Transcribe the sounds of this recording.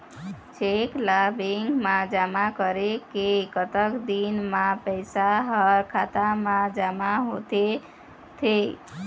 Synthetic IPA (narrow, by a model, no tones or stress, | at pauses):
t͡ʃʰeklabeŋɡmad͡ʒamakəɾekekət̪əkd̪inmapəɪsaɦəɾkʰat̪amãd͡ʒamaɦot̪e | t̪ʰe